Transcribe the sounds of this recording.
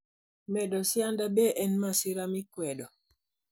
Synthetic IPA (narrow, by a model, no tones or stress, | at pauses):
mɛdɔsjandabɛʔɛnmasiɾamikwɛdɔ